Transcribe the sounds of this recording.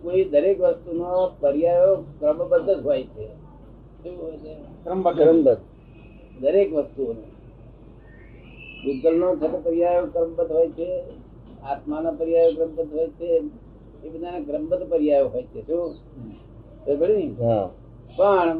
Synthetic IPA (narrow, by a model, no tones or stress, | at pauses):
koid̪əɾekʋəst̪unopəɾjajokɾəmbəd̪ət̪ɦojt͡ʃʰe | ʃuɦojt͡ʃʰekɾmɾəmbət̪ | d̪əɾekʋəst̪uonõ̰ | ʋɪd̪əlnõd͡ʒʰət̪pəɾjajokɾəmbət̪ɦojt͡ʃʰe | at̪manapəɾjajokɾəmbəd̪ʱɦojt͡ʃʰe | ebəd̪ʱanekɾəmbət̪pəɾjajoɦojt͡ʃʰeʃũ | t̪ebʱəɽiɦa | pəɳ